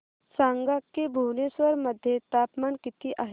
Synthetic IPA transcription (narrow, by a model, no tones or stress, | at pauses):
sãːŋɡakːebʱuːneswəɾmɐd̪ʱjet̪aːpmaːnkɪt̪iʔaːɦ